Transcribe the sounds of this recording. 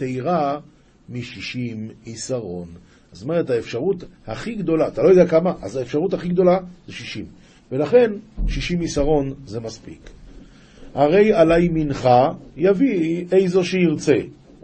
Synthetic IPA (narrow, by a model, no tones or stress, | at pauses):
t̪ejʁa | miʃiʃimisaʁo̞̰n | azome̞ʁet̪haefʃaʁut̪haχiɡd̪o̞laːt̪alojoɛakamaʔa̰zaefʃaʁut̪haχiɡd̪o̞laz̥eʃiʃim | ve̞laχe̞nʃiʃimisaʁo̞nze̞maspḭk | haʁe̞jalajminχajavie̞jzo̞ʃeiʁt͡se̞